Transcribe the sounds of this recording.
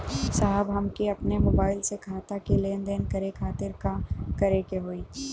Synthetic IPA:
saɦəbɦɐmkiɐpnemoːbaːɪlsekʰaːt̪akileːnd̪eːnkɐɾekʰaːt̪ɪɾkakɐɾekeɦoːiː

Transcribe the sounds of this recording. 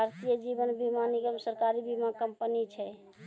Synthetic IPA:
bʱaɾt̪ijəd͡ʒibənbʱimaniɡəmsəɾkaɾibimakəmpənit͡ʃʰɛ

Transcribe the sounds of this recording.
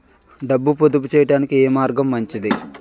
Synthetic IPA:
ɖɐbːupod̪up̬ut͡ʃɛːjɐʈaːnikieːmaːɾɡɐmːɐɲt͡ʃid̪i

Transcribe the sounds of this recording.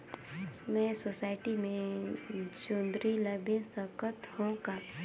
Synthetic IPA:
mɛ̃sosaːɪʈimẽ | d͡ʒoːnd̪ɾiləbẽnsəkət̪hõka

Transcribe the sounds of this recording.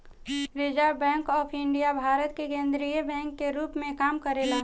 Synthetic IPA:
ɾɪd͡ʒaɾbɛ̃ːŋkɔːpʰɪɳɖijabʱaːɾət̪̚kekẽːnd̪ɾiəbɛ̃ːŋkːeɾuːpmẽkaːmkəɾela

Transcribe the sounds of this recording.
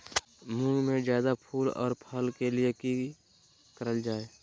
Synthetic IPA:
mũːnmẽzjaːd̪apʰuːlɔ̰ːɾpʰəlkelieki | kəɾəld͡ʒaːe

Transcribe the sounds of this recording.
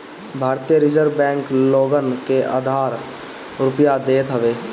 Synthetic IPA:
bʱaːɾt̪ijəɾɪd͡ʒəɾbɛ̃ːŋkloːɡənkeʔa̰d̪ʱaːɾ | ɾʊpjad̪eːt̪ɦəbeː

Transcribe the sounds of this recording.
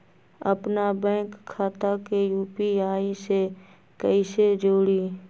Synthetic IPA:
ə̰pnabɛ̃ːkʰːaːt̪akejuːpiaːise | kəised͡ʒoːɽiː

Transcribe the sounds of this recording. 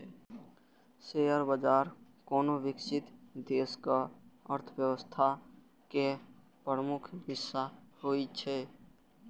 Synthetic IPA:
seəɾbəd͡ʒaːɾ | kɔːnoʋɪkʃɪt̪d̪eːskaəɾt̪ʰəwjəwəst̪ʰa | ke | pɾəmʊkʰɦɪsːaɦoːit͡ʃʰɛː

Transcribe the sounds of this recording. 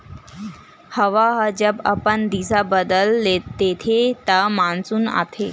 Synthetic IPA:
həʋaɦəd͡ʑəba̰pənd̪isabəd̪əlːeːet̪ʰet̪amãnt͡suːna̰t̪ʰe

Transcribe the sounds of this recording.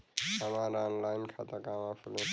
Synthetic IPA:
amaɾanlajnkʰat̪akamapʰule

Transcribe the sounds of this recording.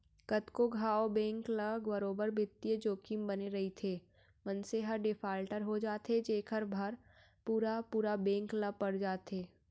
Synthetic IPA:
kət̪koɡʱaːobɛ̃ːŋkləɡbɐɾoːbəɾbʱɪt̪ːijed͡ʒoːkimbɐneɾɐɦit̪ʰeː | mə̃nseɦaɖɪpʰaːlʈəɾɦod͡ʒaːt̪ed͡ʒeːkʰəɾbʱɐɾ | puːɾapuːɾabɛ̃ːŋkləpɐɽd͡ʒaːt̪eː

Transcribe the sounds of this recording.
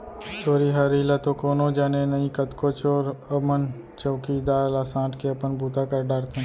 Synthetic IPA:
t͡ʃoːɾiɦaɾiːlat̪okoːnõd͡ʒaːnenɐĩkət̪koːt͡ʃoːɾəmən | t͡ʃəːkid̪aːlaːsãːʈkeɐpənbʱuːt̪akəɾɖaːɾt̪ʰẽ

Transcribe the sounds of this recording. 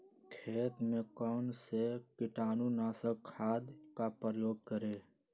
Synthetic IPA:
kʰeːt̪mẽkɔːnsekɪʈaːnũnaːsəkʰːaːd̪kapɾəjoːɡ̚kəɾeː

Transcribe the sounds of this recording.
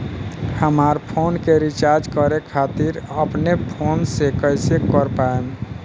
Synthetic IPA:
həmaɾpʰonkeɾit͡ʃaɾd͡ʒkəɾekʰat̪iɾəpnepʰonsekəjsekəɾpaem

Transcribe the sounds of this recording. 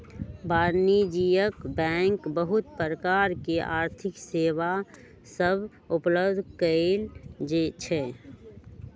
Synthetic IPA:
baːɾnid͡ʒijəkbɛ̃ːŋkbəɦʊt̪̚pɾəkaːɾkeʔa̰ːɾt̪ʰɪkseːʋa | səb | ʊpləbd̪ʱkəeld͡ʒet͡ʃʰɛ

